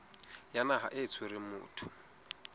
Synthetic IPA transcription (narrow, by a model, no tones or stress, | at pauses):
janaɦa̰ʔet͡sʰʊɾɪmṵːtʰʊ̥